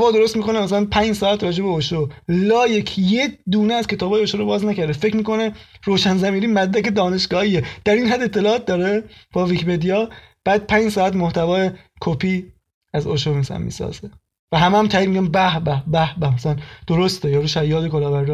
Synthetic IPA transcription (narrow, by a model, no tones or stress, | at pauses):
vɒːd̪o̞ɾost̪miːko̞nemæsælænpʰæɲd͡ʒsɒːæt̪rɒːd͡ʒebeoʃolɒːjekʰjed̪uːneæzkʰe̞t̪ʰɒːbɒːjeoʃoɾobɒːznæcæɾd̪efe̞cʰmiːkʰo̞neroːʃænzæmiːɾiːmæd̪dæke̞d̪ɒːne̞ʃɡɒːhiːed̪̥æɾiːnɦæd̪ːet̪ʰːe̞lɒːt̪̚d̪ɒːɾeb̥ɒːvicpe̞d̪ijɒː | b̥æːd̪̚pʰæːɲd͡ʒsɒːæt̪moht̪ʰævɒːje | kʰopʰiː | æzoʃomislæ̰nmḭːsɒ̰ːz̥e | væɦæmeæmt̪ʰæːid̪miɟʲæmbæhbæhbæhbæhmæsælænd̪̥oɾost̪ejɒːɾuːʃæjːɒːd̪ekolɒːvæɾd